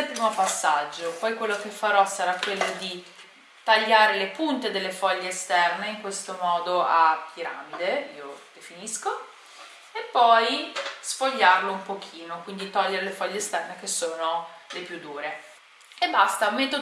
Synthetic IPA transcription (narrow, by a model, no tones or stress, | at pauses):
pɾiːmopasːad͡ʒːopɔjkwelːok̟efːaɾɔsaɾakwelːod̪i | t̪aʎːaːɾelepunt̪ed̪elːefɔʎːeːst̪ɛrneiŋkwest̪omɔːd̪oʔapiɾamid̪eiːod̪̥efinisko | epːɔjsfoʎːarloumpok̟ʰiːnokwind̪it̪ɔʎːeɾelefɔʎːeːst̪ɛrnek̟esːoːnolepjud̪ːuːɾe | ebast̪amet̪o